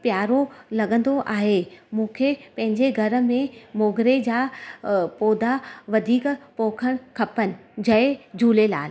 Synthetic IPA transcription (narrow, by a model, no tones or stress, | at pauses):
pjaːɾolɐɠə̃nd̪oʔaːɦemũːkʰepɐ̃ɦɪ̃ɲd͡ʑeɡʱɐɾə̆mẽmoːɡɾed͡ʑaːpoːd̪aʋɐd̪ʱiːkpoːkʰəɽ̃kʰɐpənɪ̆d͡ʑɐɪd͡ʑʱuːlela̰ːl